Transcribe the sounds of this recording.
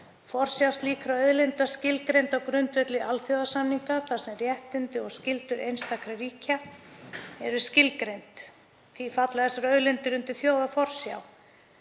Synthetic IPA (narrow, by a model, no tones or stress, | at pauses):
fɔr̥sjawst̪liːkɾaœðlɪnt̪ascɪlkɾejnt̪awkɾʏnt̪vɛt̪lɪʔalθjoːwðasanːiŋkaθḁsɛmɾjɛht̪ɪnt̪ɪɔɣscɪlt̪ʏɾʔejnst̪akʰɾariːca | ɛɾʏscɪlkɾejnt̪ | θifat̪laðɛsaɾœðlɪnt̪ʏɾʏnt̪ɪθjoːwðafɔr̥sja̰w